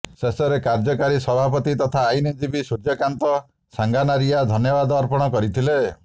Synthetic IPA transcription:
sesɔɾekaɾd͡ʒɔkaɾisɔbʱapɔt̪it̪ɔt̪ʰaːjned͡ʒibisuɾd͡ʒɔkant̪ɔ | saŋɡanaɾiad̪ʱɔnjɔbad̪ɔːɾpɔɽ̃ɔkɔɾit̪ʰile

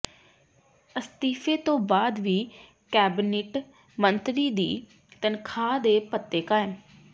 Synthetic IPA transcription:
əst̪iːfʰeːt̪õːbaːd̪ʋiː | kɛːbneʈ | mənt̪ɾiːd̪ḭː | t̪ənkʰaːd̪eːpət̪ːeːkaːɪm

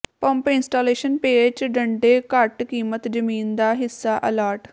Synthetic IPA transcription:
pə̃mpɪnsʈaːleːʃənpeːt͡ʃɖəɳɖeːkəʈkiːmət̪d͡ʒəmiːnd̪aːɦɪsːaːʔəlaːɾʈ

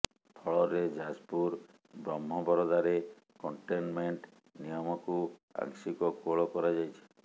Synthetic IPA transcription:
pʰɔɭɔɾed͡ʒaspuɾ | bɾɔmɦɔbɔɾɔd̪aɾe | kɔɳʈenmeɳʈ | nijɔmɔkua̰ŋsikɔkoɭɔkɔɾad͡ʒajt͡ʃʰe̥

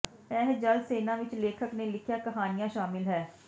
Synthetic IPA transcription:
ɛːɦd͡ʒəlseːnãːʋɪt͡ʃleːkʰəkneːlɪkʰjaːkəɦaːnɪjãːʃaːmɪlɦɛː

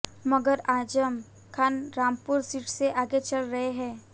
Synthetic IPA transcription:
mɐɡəɾaːd͡ʒəm | kʰaːnɾãːmpʊɾsiːʈseʔaːɡet͡ʃɐlɾɐɦeɦɛ̃ː

